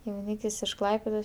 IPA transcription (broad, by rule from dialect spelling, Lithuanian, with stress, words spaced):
jɛʊˈnʲiːkʲɪs ɪʃ ˈklˠɐɪpʲeːdoːs